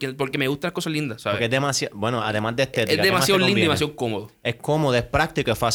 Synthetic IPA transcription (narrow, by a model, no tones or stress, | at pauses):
kepoɾkemeɣust̪anlahkosalind̪asaked̪emasjabwenoa̰ðemazd̪est̪eɾezad̪emasjaolinemasjaðkomoðoekomoðoespɾak̚t̪ikoefas